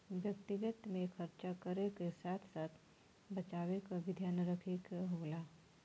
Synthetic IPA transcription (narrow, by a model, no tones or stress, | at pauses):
ʋjɐk̚t̪ɪɡət̪mẽxʰəɾt͡ʃakəɾekesaːt̪ʰsaːt̪ʰ | bɐt͡ʃaːwekaʋɪd̪ʱjaːnəɾəkʰekɦoːlaː